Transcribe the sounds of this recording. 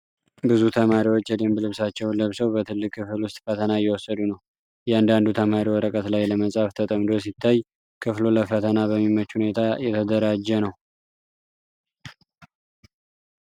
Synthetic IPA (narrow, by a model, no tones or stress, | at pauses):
bɨzut̪ʰəmaɾiwo̞t͡ʃːjɛd̪emblɨβsat͡ʃːɛwlɨβsəwbət̪ʰɨlːɨkʰːɨfɨlwʊst̪ʼfət̪ʰənajɛwɔsːəd̪unəw | jɛand̪and̪ut̪ʰəmaɾiwɔɾəkʼət̪lajləməsʼaft̪ʰət̪ʼəmd̪o̞s̬it̪ʰːaj | kʰɨfloləfət̪ʰənabəmːimət͡ʃːhune̞t̪ʰajɛt̪ʰəd̪əɾad͡ʒːɛnəw